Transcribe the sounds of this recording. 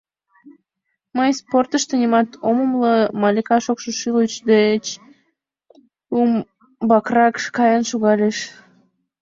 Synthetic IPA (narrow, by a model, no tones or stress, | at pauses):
məjsport̪əʃt̪ənimɑt̪oməmləmɑlʲikɑʃokʃoʃilut͡ɕd̪et͡ɕ | um | bɑkrɑkkɑjɑnʃuɣɑlʲeʃ